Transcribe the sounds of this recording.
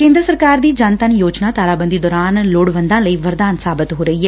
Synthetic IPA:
kẽːnd̪ɾəsəɾkaːɾd̪iːd͡ʒaːnt̪ənjoːd͡ʒnaːt̪aːlaːbənd̪iːd̪ɔːɾaːnloːɽʋə̃nd̪ãːləiːʋəɾd̪aːnsaːbət̪ɦoːɾəɦiɦɛː

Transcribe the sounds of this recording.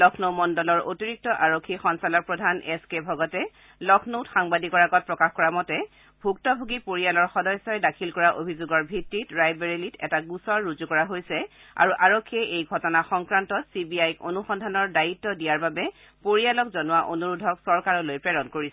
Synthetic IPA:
lɔkʰnomɔndɔlɔɹʔotiɹik̚tɔʔaɹokʰːixɔnsalɔkpɹɔdʱanɛskebʱɔɡɔtɛ | lɔkʰnowtxaŋbadikɔɹaɡɔt̚pɹɔkaxkɔɹamɔtɛ | bʱuk̚tɔbʱuɡipoɹialɔɹxɔdɔjsɔjɛdakʰilkɔɹaʔobʱizoɡɔɹbʱitːitɹajbɛɹilitɛ̰taɡusɔɹːuzukɔɹaɦojsɛ | a̰ɹuʔaɹokʰːiɛʔejɡʱɔtɔnaxɔŋkɹantɔtsibiajko̰nuxɔndʱanɔɹdaitːɔdijaɹbabɛ | poɹialɔk̚zɔnʊwaʔonuɹudʱɔksɔɹkaɹɔlojpɹɛɹɔnkoɹisɛ

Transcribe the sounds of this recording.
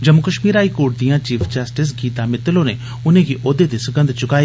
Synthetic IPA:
d͡ʒɐmʊkəʃmiːɾaːikoːɾʈ̚d̪ijãt͡ʃiːfʰd͡ʒəsʈɪs̬ɡiːt̪amɪt̪lõne | ʊnẽkʰiʔoːd̪ed̪isʊɡə̃nd̪t͡ʃʊkaːi

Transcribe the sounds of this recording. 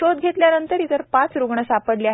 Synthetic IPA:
od̪̚ɡʱet̪ljanənt̪əɾit̪əɾpat͡sɾuɡɳəsapəɽleaɦ

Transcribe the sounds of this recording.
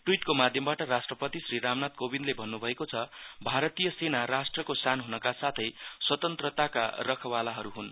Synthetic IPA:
ʈwiʈkomad̪ʱjʌmbaʈʌɾasʈrʌpʌt̪isriɾamnat̪̚kobinlebʱʌnːubʱʌekot͡sʰʌbʱaɾʌt̪ijʌsenaɾasʈrʌkosanɦunʌkasat̪ʰʌjswʌt̪ʌnt̪rʌt̪aka̰rʌkʰʌwalaɦʌɾuɦun

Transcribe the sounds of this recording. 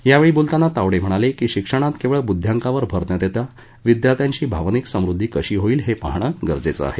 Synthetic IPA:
jaʋeɭiːbult̪anːat̪aʋɽem̤əɽ̃alekiːɕikʂəɽ̃at̪keʋɭəbud̪ʱːjaŋkaʋəɾbʱəɾt̪nət̪et̪ja | ʋid̪jat̪jaɲt͡ɕiːbʱaʋniksə̃mɾud̪ʱːiːkəɕiːɦoiːlɦepaɦɳ̃əɡəɾd͡zet͡sə̰a̰ɦe

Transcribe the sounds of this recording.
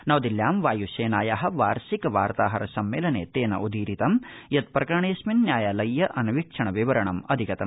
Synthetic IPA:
nɐʋd̪iljaːmʋaːjuʃeːnaːjaːɦɐ̆ʋaːɾsikɐʋaːɾt̪aːɦɐɾɐsɐmːeːlɐnḛːt̪eːnɐ̰ʔud̪ʱiːɾit̪ɐmjɐt̪̚pɾɐkɐɾɳeːsminːjaːjaːlɐjːɐʔɐnɐʋikʂɐɳɐʋiʋɐɾɐɳɐmɐd̪ʱikɐt̪ɐm

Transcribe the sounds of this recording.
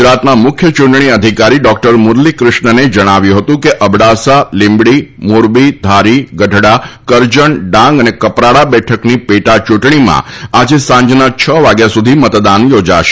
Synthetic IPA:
d͡ʒɾat̪namʊkʰjət͡ʃũɳʈɳ̃iəd̪ʱikaɾiɖɔk̚ʈəɾmʊɾlikɾɪʃɳəned͡ʒəɽ̃aʋjũɦət̪ũkeʔəbɽasalɪmbɽimuɾbid̪ʱaɾiɡəʈɽakəɾd͡ʒəɳɖãŋɡənekəpɾaɽabɛʈʰəknipeʈat͡ʃuʈɳimã̰ad͡ʒesãɲd͡ʒnat͡ʃʰəʋaɡjasud̪ʱimət̪d̪anjod͡ʒa̰ʃe̥

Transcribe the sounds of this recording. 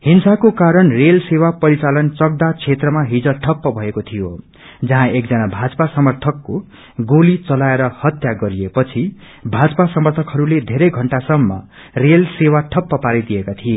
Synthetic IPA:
hinsakokaɾʌnrelsewapʌɾit͡salʌnt͡sʌɡ̚d̪at͡sʰet̪rʌmaɦid͡zʌʈʰʌpːʌbʱʌekot̪ʰijo | d͡zʌɦãek̚d͡zʌnabʱad͡zpasʌmʌrt̪ʰʌkːo | ɡolit͡sʌlaeɾʌhʌt̪jaɡʌɾiepʌt͡sʰi | bʱad͡zʌpasʌmʌrt̪ʰʌkɦʌɾuled̪ʱeɾʌjɡʱʌɳʈasʌmːʌ̰ | relsewaʈʰʌpːʌpaɾid̪ijekat̪ʰie

